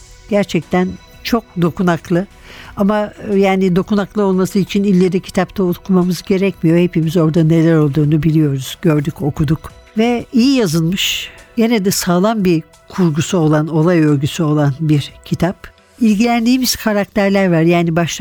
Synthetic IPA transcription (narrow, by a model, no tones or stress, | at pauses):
ɟ̥æɾt͡ʃʰɛc̚t̪ʰæn | t͡ʃʰo̞k̚d̪o̞kunaklˠɯ | amajaːnid̪o̞kunaklˠɯo̞lˠmasɯit͡ʃʰinilʲːeɾɛcʰi̥t̪ʰapt̪ʰaut̪kʰumamɯzɟe̞ɾɛcmijo̞hepimizo̞ɾd̪ane̞lʲæɾo̞lˠd̪uːnubilʲijo̞ɾuz̥ɟø̞ɾd̪yco̞kʰud̪uk | vɛijijazɯlˠmɯʃɟe̞ned̪ɛsaːlˠanbi | kʰuɾɡusuo̞lˠano̞lˠajø̞lʲɟysyo̞lˠanbiɾcʰit̪ʰap | ilʲɟilʲænd̪iːmiz̥kʰaɾak̚t̪ʰæɾlʲæɾvaɾjaːnibaʃˠ